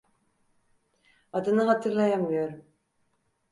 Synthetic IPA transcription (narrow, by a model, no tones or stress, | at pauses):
ɑd̪ɯnɯχɑt̪ʰɯɾlˠɑjamujoɾ